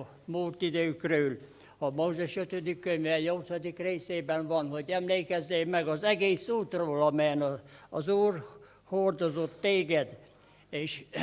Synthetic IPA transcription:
muːlt̪id̪øykrøyl | hɒmoːzɛʃøt̪ød̪ikːøɲʋɛːjolt̪sɒd̪ikreːseːbɛnvɒnhoɟɛmleːkɛzːeːmɛɡɒzɛɡeːsuːt̪roːlɒmɛnɒɒzuːr | hord̪ozot̪ːeːɡɛd̪ | eːʃ

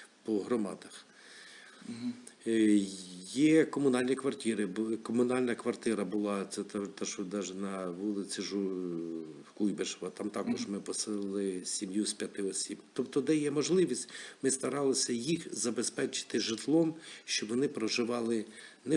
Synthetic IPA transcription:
pɔɦɾɔmɑ̰d̪ɐx | jɛkɔmʊnɑlʲnʲikʋɐrtʲiɾɪbkɔmʊnɑlʲnɐkʋɐrt̪ɪɾɐbʊlˠɑɛt̪at̪aʃd̪ɑʒnɐʋulˠɪt͡sʲɪʒu | kujbeʃʋɐt̪ɑmt̪ɑkɔʒmɪpɔsɪllˠɪsʲimjusʲpʲjɐt̪ɪɔsʲibt̪ɔpt̪ɔd̪ɛjɛmɔʒlˠɪʋʲisʲtʲmɪst̪ɐɾɑlˠɪsʲɐjixzɐbespɛt͡ʃɪ̥t̪ɪʒɪt̪lˠɔmʃt͡ʃɔʋɔnɪpɾɔʒɪʋɑlˠɪ | nɛ

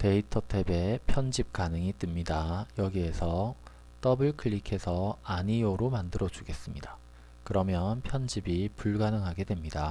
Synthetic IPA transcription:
te̞itʰʌtʰe̞be̞pʰjʌnd͡ʑip̚k͈anɯŋit͈ɯmɲidajʌɡie̞sʰʌ | t͈ʌbɯɭkʰɯɭːikʰe̞sʰʌaɲijoɾomandɯɾʌd͡ʑuɡe̞s͈ɯmɲida | kɯɾʌmjʌnpʰjʌnd͡ʑibipuɭɡanɯŋɦaɡe̞dwe̞mɲida

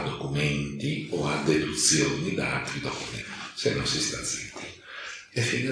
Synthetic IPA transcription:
d̪ɔkumɛnt̪iɔad̪ed̪ut̪sjoːnid̪aat̪ːɾid̪ɔkumɛnt̪i̥senːɔnsist̪ad̪zit̪ːi | ɛfːin

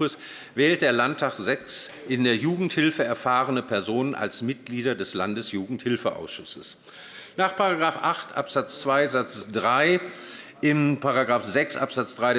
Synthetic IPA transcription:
ʊs | vɛːlt̚d̥eːɐlantʰːaːχz̥ɛks | ʔɪndeːɐjuːɡŋ̩thɪlfəɛɐfaːʁənəpʰɛɐzoːnənʔa̰lsmɪt̚ɡ̥liːɾɐdɛslandəsjuːɡŋ̩thɪlfəʔa̰ʊsʃʊsəs | naːχpʰaʁaɡʁaːfʔaχtʔa̰pz̥at͡st͡sv̥aɪzat͡sd̥ʁaɪ | ʔɪmpʰaʁaɡʁaːfz̥ɛksʔa̰pz̥at͡sd̥ʁaɪɾ

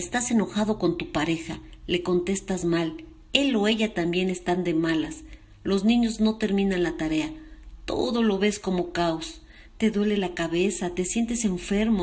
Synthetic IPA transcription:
est̪ase̞no̞xað̞o̞ko̞nt̪upaɾe̞xale̞ko̞nt̪e̞st̪azmal | e̞lo̞e̞ʝat̪ambje̞ne̞st̪and̪e̞malas | lo̞znĩɲo̞zno̞t̪e̞ɾmĩnanlat̪aɾe̞at̪o̞̰ðo̞lo̞βe̞sko̞mo̞kaos | t̪e̞ðwe̞le̞lakaβe̞sat̪e̞sje̞nt̪e̞se̞ɱfe̞ɾmo

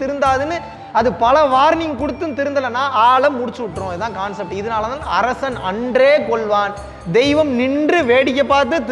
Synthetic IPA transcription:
t̪ɪɾɯnd̪aːðɯnːɯ | ɐðɯpɐlɐʋaːɾnɪŋɐkʊɽɯt̪ːɯnt̪ɪɾɯnd̪ɐlɐnːaːʔaːlɐmːʊɽɪt͡ʃːɯʋɪʈːrʊ̃ːɪðɯðãːkaːnsɐp̚ʈɪðɐnaːlɐðãːɐɾɐsɐnɐɳɖreːkɔɭʋaːn | d̪ɛɪʋɐmnɪndrɯʋeːɽɪk̬ːɐpːaːɾt̪̬ɯt̪

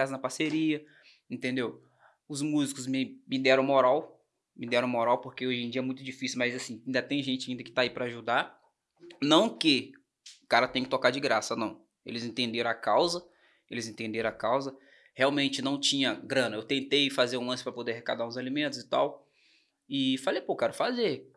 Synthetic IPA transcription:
azɐnɐpaseɾiɐ | ẽnt̪ẽnd̪ew | ʊzmuzikʊzmɪmɪd̪ɛɾɐ̃w̃moɾaw | mɪd̪ɛɾɐ̃w̃moɾawpoɾkeoʒẽj̃d͡ʒiɐɛmũj̃t̪ʊd͡ʒifisiʊmɐjzasĩĩnd̪ɐt̪ẽj̃ʒẽnt͡ʃɪaĩd̪ɐkɪ̥t̪aipɾɐaaʒud̪a | nɐ̃w̃kɪ | ʊkaɾɐt̪ẽj̃ɐkɪt̪okad͡ʒɪɡɾasɐnɐ̃w̃ | ḛlɪzẽt̪ẽnd̪eɾɐ̃akawzɐ | elɪzẽnt̪ẽd̪eɾɐ̃akawzɐ | heawmẽnt͡ʃɪnɐ̃w̃t͡ʃĩɲɐɡɾɐ̃nɐewt̪ẽnt̪ejfazeɾũlɐ̃sɪ̥pɾɐpod̪eɾɦeka̰d̪aɾũzalimẽnt̪ʊzɪt̪aw | ɪfalejpokɛɾʊfaze

